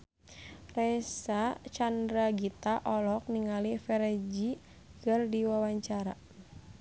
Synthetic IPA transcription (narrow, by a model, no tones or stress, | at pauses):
rɛsat͡ʃandɾaɡit̪aʔɔlɔk̚niŋalifɛɾɛd͡ʒi | kɨrdiwawaɲt͡ʃaɾa